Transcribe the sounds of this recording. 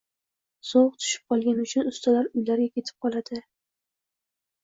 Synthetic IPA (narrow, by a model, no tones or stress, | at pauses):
soʁt̪ʰʊ̥ʃɪ̥p̚qɒlˠɡʲanʊt͡ʃʰʊnʊst̪ʰalaɾʊjlaɾɡʲakʲʰe̞t̪ʰɪ̥p̚qʰɒlˠad̪̥ɪ